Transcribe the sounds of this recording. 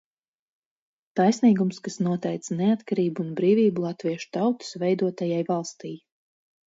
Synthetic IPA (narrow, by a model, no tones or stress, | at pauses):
t̪ajsniːɡumskasnuɔt̪ɛjt̪snɛat̪kaɾiːbuːnbɾiːvʲiːbulˠat̪viɛʃu̥t̪awt̪u̥svɛjd̪uɔt̪ajajvalˠst̪ij